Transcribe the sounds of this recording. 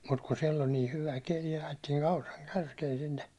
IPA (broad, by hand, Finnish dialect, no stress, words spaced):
mut kun siel ol niː hyʋæ keli ɑjetːiːn ɑurɑŋ kærkeːn sinːe